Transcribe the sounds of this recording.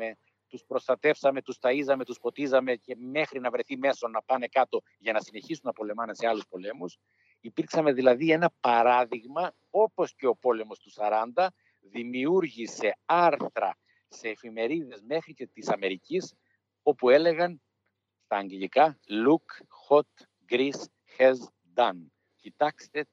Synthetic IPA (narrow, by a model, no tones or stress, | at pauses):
e̞ | t̪uspɾo̞st̪ɐt̪e̞fsɐme̞t̪ust̪ɐizɐme̞t̪usfo̞t̪izɐme̞ce̞me̞xɾinɐvɾe̞θime̞so̞nːɐpɐne̞kɐt̪o̞ | ʝɐnɐsine̞çisunɐpo̞le̞mɐnɐse̞ɐluspo̞le̞mus | ipiɾksɐme̞ðilɐðie̞nɐpɐɾɐðiɣmɐ | o̞po̞sce̞o̞po̞le̞mo̞st̪usɐɾɐnd̪ɐ | ðimiuɾʝise̞ɐɾθɾɐ̰ | se̞ːfime̞ɾiðe̞zme̞xɾice̞t̪isɐme̞ɾicis | o̞pue̞le̞ɣɐn | st̪ɐːɲɡeʎikɐluk | xot̪ | ɡɾis | xez | d̪ɐn | cit̪ɐkst̪e̞